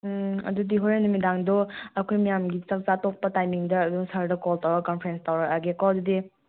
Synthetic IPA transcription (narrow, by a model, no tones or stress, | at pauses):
ɐ̰dudiɦojɾenumidaŋdoɐkʰojmijamɡit͡ʃɐk̚zatok̚pɐtajmiŋdɐːduŋsɐɾdɐkoltawɾɐkɔnpʰɾenstawɾɐɐɡekɔdudi